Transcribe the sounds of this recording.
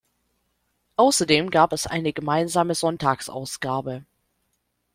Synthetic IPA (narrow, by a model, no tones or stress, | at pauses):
ʔaʊsɐdeːmɡaːpɛsʔa̰ɪnəɡəmaɪnzaːməzɔntaːksʔa̰ʊsɡ̥aːbə